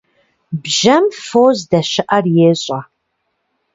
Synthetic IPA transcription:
bʒɐmfoːzdɐʃɪʔɐrjeːɕʼɐ

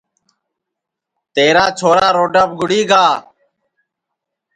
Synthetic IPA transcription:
t̪eːɾaːt͡ʃʰoːɾaːɾoːɖəp̚ɡʊɽiːɡaː

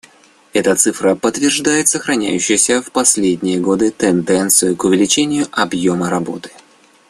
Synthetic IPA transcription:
ɛt̪ət̪sɨfɾəpət̪vʲɪrʐd̪ajɪt̪səxɾɐnʲæ̰jʉɕːɪjəsʲəfpɐsʲlʲedʲnʲɪjəɡo̞d̪ɨt̪ɛnd̪ɛnt̪sɨjʊkʊvʲɪlʲɪt͡ɕenʲɪjʊʔɐbjoməɾɐbo̞̰t̪ɨ̥

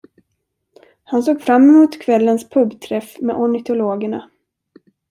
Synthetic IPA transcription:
hansoːɡfɾamːɪmuːt̪kʰvɛlːənspʰɵbt̪ʰɾɛfmḛːʔɔɳɪt̪ʰʊloːɡəɳa̰

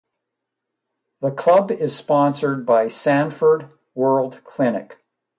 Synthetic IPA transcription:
ðəkʰl̥ʌbɪz̥spɑ̃nsə˞d̚baɪsæ̃nfə˞d̚ | wɜ˞lˠdkʰl̥ɪ̃nɨk

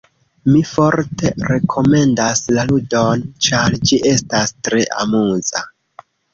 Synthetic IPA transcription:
mifo̞ɾte̞ɾe̞kʰo̞me̞ndaslaludo̞nt͡ʃaɾd͡ʒiʔe̞stastɾe̞ʔa̰muza

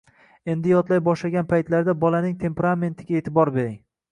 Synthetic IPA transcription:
e̞nd̪ɪjɒt̪lajbɒʃlaɡʲanpʰajt̪laɾd̪abɒlanɪŋt̪ʰe̞mpeɾame̞nt̪ʰɪɡʲaet̪ʰɪbɒɾbe̞ɾɪŋ

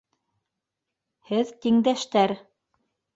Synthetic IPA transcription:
hɘðt̪iŋd̪æʃt̪æɾ

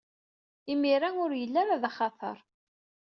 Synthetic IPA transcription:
imiɾanʊɾjəlːæɾaðaχɑt̪ˤə̰ɾˤ

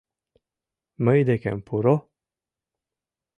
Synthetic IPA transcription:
məjd̪ekḛmpʰuɾo

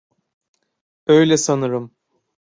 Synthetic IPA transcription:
øjlʲɛsanɯɾɯm

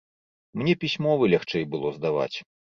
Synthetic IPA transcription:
mnʲɛpʲisʲmɔvɨlʲaxt͡ʂɛjbɨlˠɔzd̪ava̰t͡sʲ

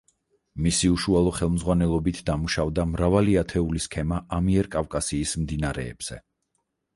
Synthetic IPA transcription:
misiuʃualˠɔχɛlˠmzʁwanɛlˠɔbit̪ʰd̪amuʃavd̪amɾavaliat̪ʰɛuliskʰɛmaʔamiɛɾkʼavkʼasiːsmd̪inaɾɛ̰ːb̥z̥ɛ̰

